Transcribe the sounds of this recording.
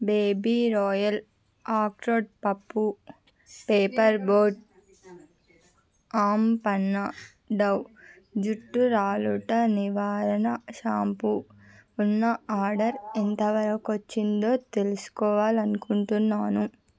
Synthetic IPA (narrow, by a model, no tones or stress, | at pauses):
beːbiːɾɔːjɐl | aːkɾoːɖ̚pɐpːu | peːpɐɾboːɾʈ̚ | aːmpɐnːɐ | ɖɐw | d͡ʒuʈːuɾaːluʈɐniʋaːɾɐnɐʃaːmpuː | nːɐaːɾɖɐɾent̪ɐʋɐɾɐkʋot͡ʃːind̪o̞ːt̪e̞lusu̥kɔːʋaːlɐnukuɳʈunːaːnu